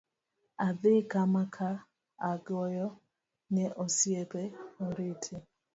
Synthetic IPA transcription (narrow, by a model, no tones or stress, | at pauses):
aðɪkamakʰa | aɡɔjɔ | nɛʔosjepɛoɾetʰe